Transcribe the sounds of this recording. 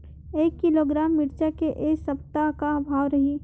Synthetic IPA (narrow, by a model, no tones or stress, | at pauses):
eːkːɪloːɡɾaːmːɪɾt͡ʃakeʔeːsɐp̚t̪akaɐbʱaːʋɾɐɦiː